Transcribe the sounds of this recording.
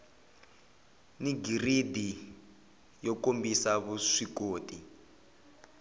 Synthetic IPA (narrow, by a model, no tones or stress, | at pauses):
niɡiridi | jɔkombisaβuʂikoːtʼi